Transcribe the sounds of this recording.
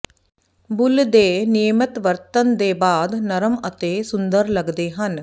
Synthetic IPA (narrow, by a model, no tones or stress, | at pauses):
bʊld̪eːnijəmɐt̪ʋɐɾt̪ɐnd̪eːbaːd̪nɐɾɐmɐt̪eːsʊnd̪əɾlɐɡd̪eːɦɐn